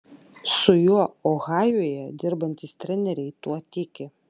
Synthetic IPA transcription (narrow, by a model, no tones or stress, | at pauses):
sʊjuɔɔɣɑːjuɔjɛd̪ʲɪɾbɐnʲt̪ʲiːst̪ʲɾʲɛnʲɛɾʲɛɪt̪uɔt̪ʲɪkʲɪ